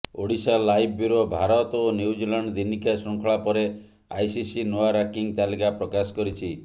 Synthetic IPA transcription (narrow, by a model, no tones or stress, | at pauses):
oɽisalajbʱuɾobʱaɾɔt̪onjuwd͡ʒilaɳɖd̪inikasɔŋkʰɔɭapɔɾe | ajsisinoaɾakiŋt̪alikapɾɔkasɔ̥kɔɾit͡ʃʰi